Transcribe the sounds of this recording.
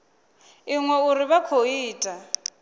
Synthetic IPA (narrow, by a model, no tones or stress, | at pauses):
iŋwɛuɾɪβakʰoiːtʼa